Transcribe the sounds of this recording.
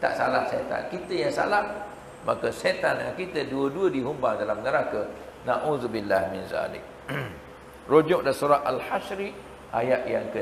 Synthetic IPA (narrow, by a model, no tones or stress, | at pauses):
t̪a̰ʔsalahset̪a̰nkit̪əjaŋsa̰lah | makəset̪anakit̪əduəduədiɦumbaŋdalamnəɾakə | naʔuzubilːahmɪnza̰lɪ̰k̚ | rod͡ʒʊʔ̚dasuɾaʔalhaʃɾi | ʔajaʔjaŋkə